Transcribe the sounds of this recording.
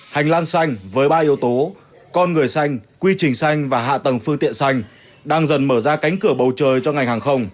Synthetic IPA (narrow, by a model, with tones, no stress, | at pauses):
ha˨˩jŋ̟laː˧ŋsa˧jŋ̟vəː˨˦jɓaː˧ʔi˧˦əwt̪o˨˦ | kɔ˧nŋɨ˨˩əjsa˧jŋ̟kwi˧t͡ɕï˨˩ŋ̟sa˧jŋ̟vaː˨˩ɦa̰ː˧˨t̪ə˨˩ŋfɨ˧əŋt̪ḭ˧˨ənsa˧jŋ̟ | ɗaː˧ŋzə˨˩nməː˧˩zaː˧ka˨˦jŋ̟kɨ˧˩əɓə˨˩wt͡ɕəː˨˩jt͡ɕɔ˧ŋa˨˩jŋ̟haː˨˩ŋxə˧wŋ͡m